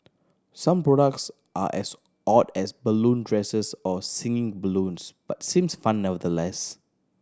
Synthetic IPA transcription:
sãmpɹɔɾək̚ts | ʔa̰ʔɛ̰s | ʔɔdɛsbəlũndɹɛsəsɔsɪ̃ŋɪ̃ŋbəlũnsb̥atsĩmsfãnːɛvədəlɛs

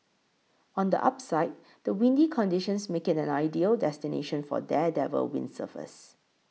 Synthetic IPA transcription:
ɔ̃ndə̰ʔa̰psaɪt̚ | d̥əwĩndikʰɔ̃ndiʃə̃nsmekɪtɛ̃naɪdiəldɛstinḛʃə̃nfɔ̰dɛdɛvə̰lwɪ̰̃nsə̰fə̰s

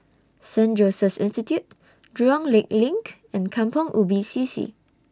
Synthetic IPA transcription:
sɛ̃nd͡ʒosəsḭ̃nstitjut̚ | dɹɔ̃ŋlek̚lĩŋk | ɛ̃nkʰãmpɔ̃ŋʔubisisḭ

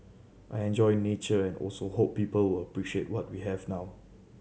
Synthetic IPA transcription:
ʔajɛ̃nd͡ʒɔɪnet͡ʃəɛ̃nɔ̰lsohopːiːpəlwɪləpɹiʃietwɔt̚wiɦɛvnaw

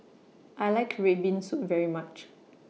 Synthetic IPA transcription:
ʔajlaɪkʰɹɛbĩnsutvɛɹimat͡ʃ

